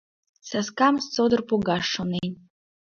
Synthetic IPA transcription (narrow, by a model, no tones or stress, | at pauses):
saskamst͡sod̪ɨrpʰoɡaʂonen